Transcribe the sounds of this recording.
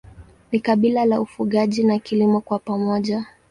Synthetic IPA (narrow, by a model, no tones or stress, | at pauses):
nikaɓilalaufuɠaʄinakilimɔkwapamɔʄa